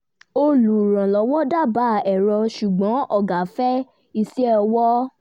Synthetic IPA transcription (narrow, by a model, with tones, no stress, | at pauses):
o˧lu˨ɾã˨lɔ˨˦wɔ̃˦da˦˨ba˦˨ɛ˨ɾɔ˧ʃu˨ɡ͡bɔ̃˨˦ʔɔ˦˨ɡa˨˦fɛ˦ | i˧si˦ɔ˧wɔ˦